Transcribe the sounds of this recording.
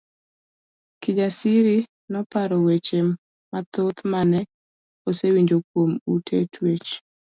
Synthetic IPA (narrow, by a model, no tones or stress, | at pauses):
kɪd͡ʒasiɾi | nɔpaɾɔwet͡ʃeː | at̪ot̪manɛ | osewiɲd͡ʒokwomutʰetʰwet͡ʃ